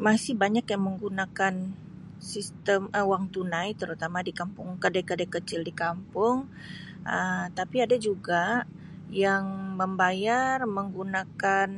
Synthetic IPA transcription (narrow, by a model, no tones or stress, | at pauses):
masɪhbaɲakjaŋməŋɡunakan | sist̪əməwaŋt̪unajt̪əɾut̪amadikampʊŋkədakədakət͡ʃɪldikampʊŋ | ʔət̪apiadad͡ʒuɡa | jaŋməmbajarməŋɡunakan